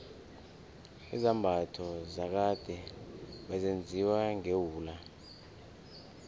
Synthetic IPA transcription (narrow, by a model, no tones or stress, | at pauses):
izambʱatʰɔzak̬ad̥ʱɛɓazend͡zʱiwaŋewuːla